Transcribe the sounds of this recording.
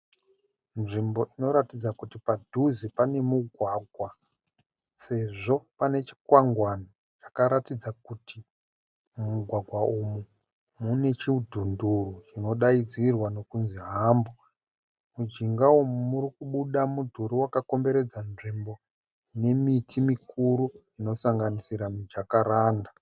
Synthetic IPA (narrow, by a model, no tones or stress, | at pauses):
nʐimbo̞ʔino̞ɾatid͡zakutipadʱuzipane̞muɡʱwaɡʱwa | se̞ʐo̞pane̞t͡ʃi̥kwaŋɡwano | t͡ʃḁkaɾatid͡zakutʰi | muɡʱwaɡʱwaumu | mune̞t͡ʃiudʱunduɾut͡ʃino̞ɗaid͡zirwano̞kunziɦaːmbo | mud͡ʒiŋɡawomumurikuɓuɗamudʱuɾiwakako̞mbe̞ɾe̞d͡zanʐimbo̞ | ine̞mitʰimikuɾu | ino̞saŋɡanisiɾamid͡ʒakaɾaːnda